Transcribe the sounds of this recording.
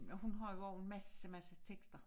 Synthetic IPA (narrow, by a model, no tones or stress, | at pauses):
ɒɦunɦɑ̈joɒʊenmæsəmæsət͡sʰeɡ̥sd̥ɐ